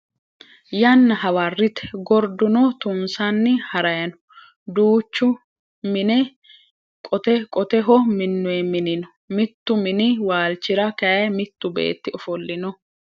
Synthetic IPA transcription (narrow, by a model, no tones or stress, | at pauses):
jɐnːɐhɐwɐrːɪt̪ɛ̥ɡɔɾd̪ʊnɔt̪ʊmsanːɪhɐɾɐjɐnɔ̥ | d̪uːt͡ʃːʊ | mɪnɛ | kʼɔt̪ɛkʼɔt̪ɛɦɔmɪnːʊɛmɪnɪnɔ̥ | mɪt̪ːʊmɪnɪwaːlt͡ʃːɪɾɐkɐjɐmɪt̪ːʊbḛːt̪ːɪɔfɔlːɪnɔ